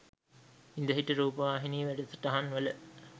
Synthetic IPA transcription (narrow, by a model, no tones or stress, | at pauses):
ind̪əɦiʈəɾuːpəʋaːɦiniːʋæɖət̪ə̥ʈaɦanʋələ